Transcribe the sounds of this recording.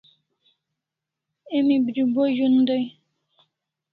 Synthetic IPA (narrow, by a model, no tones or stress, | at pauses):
emibɾibojund̪əj